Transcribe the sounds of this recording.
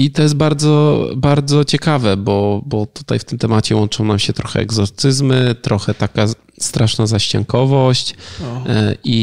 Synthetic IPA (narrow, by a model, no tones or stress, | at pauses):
it̪ɔjɛs̬t̪̚baɾd̪zɔbaɾd̪zɔt͡ɕɛkavɛbɔbɔt̪u̥t̪ajft̪ɘmt̪ɛmat͡ɕɛwɔnt͡ʂɔ̃w̃namɕɛt̪ɾɔxɛ̰ɛ̰ɡzɔɾt̪sɘzmɘt̪ɾɔxɛt̪aka | st̪ɾaʂnazaɕt͡ɕa̰ŋkɔvɔɕt͡ɕ | i